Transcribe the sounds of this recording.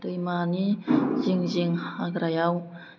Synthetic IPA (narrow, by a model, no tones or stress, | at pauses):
t̪əimaniziŋziŋaɡɾajaw